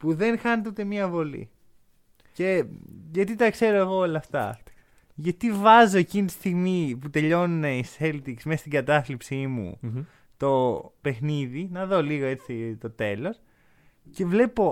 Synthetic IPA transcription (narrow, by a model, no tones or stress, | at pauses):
puðe̞nxɐnet̪eut̪e̞miɐvo̞lḭ | ce̞ʝɐt̪it̪ɐkse̞ɾo̞eɣo̞olɐft̪ɐ̰ | ʝɐt̪ivɐzo̞e̞cinit̪i̥st̪iɣmiput̪e̞ʎo̞nune̞ise̞lt̪iksmesst̪iɡɐt̪ɐθlipsimṵ | t̪o̞pe̞xniðinɐðo̞liɣo̞e̞t͡sit̪o̞t̪e̞lo̞s | ce̞vle̞po̞